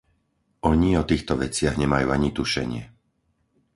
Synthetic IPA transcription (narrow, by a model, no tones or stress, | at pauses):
ɔɲiɔt̪iːxt̪ɔʋɛt͡sɪaɣɲɛmajṵːaɲit̪uʃɛ̰ɲɪɛ